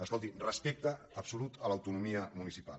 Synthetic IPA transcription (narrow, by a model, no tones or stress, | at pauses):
əskɔlˠt̪irəspek̚t̪əːpsulut̪ələwt̪unumiəmunisipa̰lˠ